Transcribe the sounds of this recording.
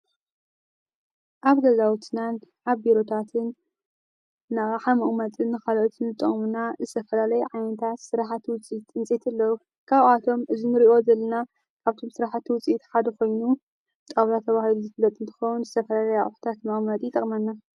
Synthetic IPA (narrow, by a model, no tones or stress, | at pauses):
ʔaβd̪ɐzawt̪ʰnanħaβbiɾot̪ʰat̪ʰɨn | aɣħamɐʔʼmɐt̪ʼɨnːɨxalɐot̪ʰɨnɨt̪ʼɨ̰χʼmunazɨt̪ʰɐfɐlalɐjɛʕajnɐt̪ʰat̪sɨɾaħat̪ʰːwʊt͡sʼit̪ɨnt͡sʼet̪ʰɐlːɐwu | kʰaβat̪ʰo̞mɨzinɨɾiʔo̞zɐlːɐna | kʰaβt̪ʰo̞msɨɾaħat̪ʰːiwʊt͡sʼiit̪ħad̪ɐko̞jnu | t̪ʼawlat̪ʰɐβahiluzɨflːɐt̪ʼɨnt̪ʰɨxɐwunzɨt̪ʰɐfɐlalɐja̰ʔʼħu̥t̪ʰat̪mɐχʼmɐt̪ʼit̪ʼɐkʼmɐnːa